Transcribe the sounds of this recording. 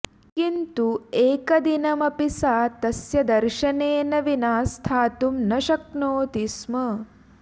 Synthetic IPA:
kint̪ueːkɐd̪inɐmɐpisaːt̪ɐsjɐd̪ɐɾʃɐneːnɐʋinaːst̪ʰaːt̪umnɐʃɐk̚noːt̪ismɐ

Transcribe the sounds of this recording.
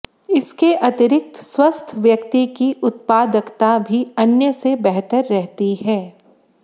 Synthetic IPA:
ɪskeʔɐt̪ɪɾɪk̚t̪swɐst̪ʰʋjɐkt̪ikiʔʊt̪̚paːd̪əkt̪abʱiɐnjəsebɛɦt̪əɾːɛɦt̪iɦɛː

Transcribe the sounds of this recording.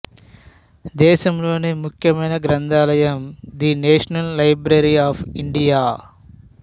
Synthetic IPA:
d̪ɛːʃɐmlo̞ːnimukʰjɐmɐjnɐɡɾɐnd̪aːlɐjɐmd̪ineːʂɐnɐlːɐjbɾɐɾiaːpiɳɖijaː

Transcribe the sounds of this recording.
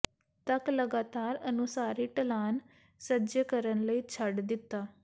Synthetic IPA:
t̪əkləɡaːt̪aːɾənʊsaːɾiːʈəlaːn | səd͡ʒəkəɾənləiːt͡ʃʰəɖd̪ɪt̪ːaː

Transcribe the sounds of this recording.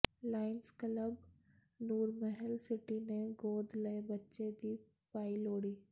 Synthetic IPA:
laːɪnskələb | nuːɾməɦəlsɪʈineɡoːd̪lɐebɐtːʃed̪iː | paːiloːɽiː

